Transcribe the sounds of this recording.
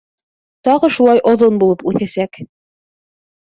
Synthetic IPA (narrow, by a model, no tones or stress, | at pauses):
t̪ɑʁɤʃulˠɑjʔŏðonbulˠɤpʉθæsæk